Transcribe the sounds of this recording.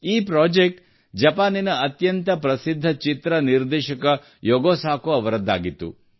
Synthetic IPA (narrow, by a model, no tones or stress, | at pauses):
iːpɾoːd͡ʒek̚ʈ | d͡ʒɐpaːninɐːt̪jɐnt̪ɐpɾɐsid̪ʱːɐt͡ʃit̪ɾɐniɾd̪ɛːʃɐkɐ | jɔɡoːsaːkuɐʋɐɾɐd̪ːa̰ːɡit̪ːṵ